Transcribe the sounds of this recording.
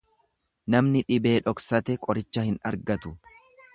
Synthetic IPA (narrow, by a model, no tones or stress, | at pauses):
nɐmnɪᶑɪbe̞ːᶑɔksɐt̪ɛkʼɔɾɪt͡ʃːɐhɪnɐɾɡɐt̪ʊ